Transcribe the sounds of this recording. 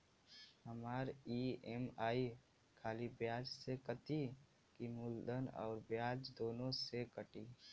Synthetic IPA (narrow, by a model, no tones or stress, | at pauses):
hɐmaːɾiːemaːi | kʰaːlibjaːd͡ʒsekət̪i | kimuːld̪ənɔ̰ːɾbjaːd͡ʒd̪oːnõsekəʈiː